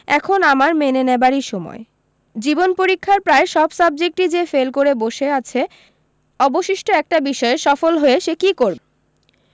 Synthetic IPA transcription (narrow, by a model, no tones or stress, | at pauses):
ɛ̰kʰonamaɾmenenebaɾiʃɔmɔ̰e | d͡ʑibonpoɾikʰːaɾpɾaeʃɔbsab̚d͡ʑek̚ʈid͡ʑefelkoɾeboʃeat͡ɕʰe | ɔboʃiʃʈoɛk̚ʈabiʃɔeʃɔfolɦoeʃekikoɾbe